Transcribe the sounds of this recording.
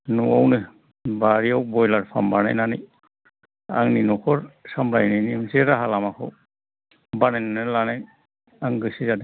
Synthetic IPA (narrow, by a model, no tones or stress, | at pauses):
nuawnɯ | baɹiaw̚bɔjlaɹpʰa̰mbana̰jnanej | a̰ŋninɔkʰɔɹsamlajninimseɾaɦalamakʰɔ̰ | banajnanelanaj | aŋɡɯsizad